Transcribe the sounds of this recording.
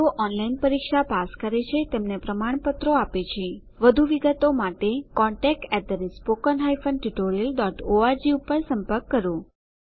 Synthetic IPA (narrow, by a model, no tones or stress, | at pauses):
t̪oʔɔnlainpəɾikʃapaskəɾet͡ʃʰet̪emnepɾəmaɳ̃pət̪ɾoapet͡ʃʰe | ʋəd̪ʱuʋiɡət̪omaʈekɔ̃ɳʈɛk̚ʈɛd̪əɾispokənɦajfənʈiʈoɾijəlɖɔʈoaɾd͡ʒiupəɾsəmpəɾkːəɾo